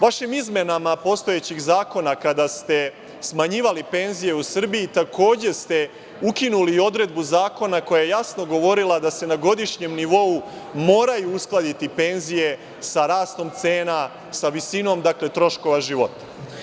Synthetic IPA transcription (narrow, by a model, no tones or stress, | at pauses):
ʋaʃimizme̞namapo̞st̪o̞jet͡ɕiɣzaːko̞nakad̪ast̪e̞ | smaɲiːʋalipe̞nzije̞usr̩biit̪akʰo̞ːd͡ʑe̞st̪e̞ | ukinulio̞d̪ɾe̞d̪̚buzaːko̞nako̞jajejasno̞ɡo̞ʋo̞ɾilˠad̪ase̞naɡo̞d̪iʃɲe̞mniʋo̞umo̞ːɾajuusklˠad̪it̪ipe̞nzije̞ | saɾaːst̪o̞mt̪se̞ːna | saʋisino̞md̪akle̞t̪ɾo̞ʃko̞ʋaʒiʋo̞t̪ḁ